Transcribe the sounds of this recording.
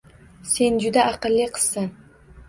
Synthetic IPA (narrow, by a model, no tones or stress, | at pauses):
se̞nd͡ʒʊd̪aʔɑqɨlːɪqʰɨ̥z̥san